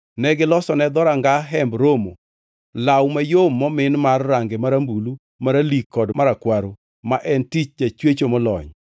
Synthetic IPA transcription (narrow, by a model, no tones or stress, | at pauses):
nɛɡɪlɔsɔnɛd̪ɔɾaŋɡaɦɛmbɾomo̰ | lawmajomːɔmɪnmarːaŋɡemaɾambulu | maɾalikːɔdmaɾakwaɾo | maʔɛntit͡ʃd͡ʒat͡ʃwet͡ʃomɔlɔ̰ɲ